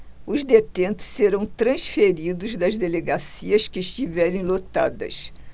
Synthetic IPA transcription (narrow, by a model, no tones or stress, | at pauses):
ʊzd̪et̪ẽnt̪ʊ̥sseɾɐ̃w̃t̪ɾɐ̃sfeɾid̪ʊzd̪ɐzd̪eleɡasiɐskɪːʃt͡ʃivɛɾẽj̃lot̪a̰d̪ɐ̰s